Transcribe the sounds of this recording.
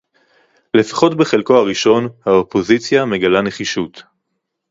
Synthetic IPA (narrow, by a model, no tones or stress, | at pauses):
le̞fḁχo̞tbe̞χelkoaʁiʃo̞nhaopo̞zit͡sjame̞ɡalane̞χiʃut